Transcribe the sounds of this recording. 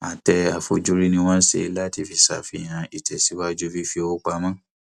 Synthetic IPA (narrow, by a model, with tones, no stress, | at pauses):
a˨tɛ˧a˨fo˧d͡ʒu˦ɾi˦nĩ˧w̃ã˦n̩˦sḛ˧i˧˦la˦ti˦fi˦˨sa̰˨fi˧˦˨j̃ã˧i˨tɛ˨si˨˦wa˦d͡ʒu˦vi˦fi˧o˦k͡pa˧mã˦˨